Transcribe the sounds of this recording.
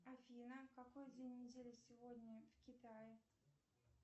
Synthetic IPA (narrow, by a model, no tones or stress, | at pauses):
afʲinəkakojd̪ʲvʲenʲːɪdʲelʲɪsʲɪvodʲnʲəvkʲɪt̪ajɪ